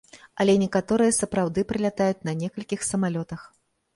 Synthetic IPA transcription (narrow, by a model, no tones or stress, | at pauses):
ɐlʲɛnʲɛkat̪ɔɾɨjɐsɐpɾawd̪ɨpɾɨlʲat̪ajut͡sʲnɐnʲɛkɐlʲkʲixsɐmalʲɔt̪ɐx